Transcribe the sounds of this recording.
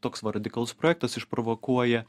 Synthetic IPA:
t̪oːksʋɐɾɐd̪ʲɪkɐlˠʊspɾoːjɛkt̪ɐsɪʃpɾɔʋokuɔjɛ

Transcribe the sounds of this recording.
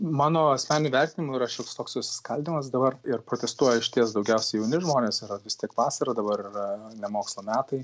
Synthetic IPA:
mɑːnoːɐsʲmʲæːnʲnʲʊʋʲɛɾʲt̪ʲɪnʲɪmʊiːɾɐʃʲɛʊkst̪oːkssʊsʲɪ̥skɐlʲd̪ʲɪmɐs̬d̪ɐbɐrɪɾpɾoːt̪ʲɛst̪uɔjɛɪʃʲɪt̪ʲiɛsd̪ɐʊɡʲɛʊsʲɛɪjɛʊnʲɪʒmoːnʲeːsɪɾɐʋʲɪst̪ʲiɛkʋɑːsɐɾɐd̪ɐbɐɾɪrɐnʲɛmoːkslˠoːmʲæːt̪ɐɪ

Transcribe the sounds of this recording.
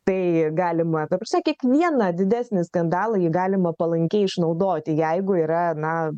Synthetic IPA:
t̪ɐɪɡɑːlʲɪmɐt̪ɐpʲsʲɛkʲiɛkʋʲiɛnɐd̪ʲɪd̪ʲæːsʲnʲɪskɐnd̪ɑːlˠɐjɪɡɑːlʲɪmɐpɐlˠɐŋʲkʲɛɪʃnɐʊd̪oːt̪ʲɪjɛɪɡʊiːɾɐnɐ

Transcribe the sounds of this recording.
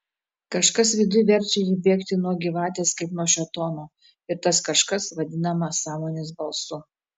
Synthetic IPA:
kɐʃkɐsʋʲɪd̪ʊjʋʲɛɾʲt͡ʃʲɛjiːbʲeːkt̪ʲɪnuɔɡʲɪʋɑːt̪ʲeːskɐɪpnuɔʃʲɛt̪oːnoː | ɪɾt̪ɐskɐʃkɐsʋɐd̪ʲɪnɐmɐsɑːmoːnʲeːs̬bɐlˠsʊ

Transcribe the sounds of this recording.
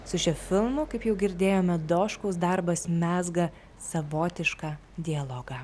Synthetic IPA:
sʊʃʲɛfʲɪlˠmʊkɐɪpjɛʊɡʲɪɾʲd̪ʲeːjoːmʲɛd̪oːʃkoːsd̪ɐɾbɐsmʲæːzɡɐ | sɐʋoːt̪ʲɪʃkɑː | d̪ʲɪɐlˠoːɡɐ

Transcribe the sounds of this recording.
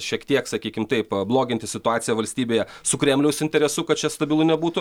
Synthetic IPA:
ʃʲiɛkt̪ʲiɛksɐkʲiːkʲɪmt̪ɐɪpblˠoːɡʲɪnʲt̪ʲɪsʲɪt̪ʊɑːtsʲɪjɛʋɐlʲsʲt̪ʲiːbʲeːjɛsʊkɾʲɛmʲlʲɛʊsɪnʲt̪ʲɛɾʲɛsʊkɐt̪̚t͡ʃʲɛst̪ɐbʲɪlˠʊnʲɛbuːt̪ʊ

